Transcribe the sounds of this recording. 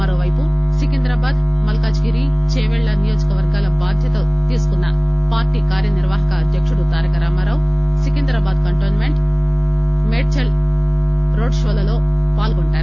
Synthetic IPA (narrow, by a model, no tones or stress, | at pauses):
mɐɾoːʋɐjpu | sikind̪ɾɐbaːd̪ | mɐlɐkad͡ʒɡiɾi | t͡ʃeːʋɛɭːɐnijoːd͡ʒɐkɐʋɐɾɡaːlɐbaːd̪ʱjɐt̪ɐ | t̪iːsu̥kunːɐ | paːɾʈiːkaːɾjɐniɾʋaːɦɐkɐːd̪ʱjɐkʂuɽut̪aːɾɐkɐɾaːmɐɾaːw | sikind̪ɾɐbaːd̪kɐɳʈoːnmeɳʈ | meːɖit͡ʃɐl | ɾo̞ːɖʂoːlɐlo̞ː | paːlɡoɳʈaːɾu